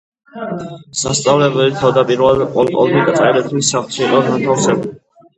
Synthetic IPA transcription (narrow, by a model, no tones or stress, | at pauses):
sast̪sʼavlɛbɛlit̪ʰavd̪apʼiɾvɛlpʼɔlt̪ʼɔ̰lpʰik̪ʼaɛɾɛt̪ʰwisːaχt̪sʰiɾʼɔd̪at̪ʰafsɛbuli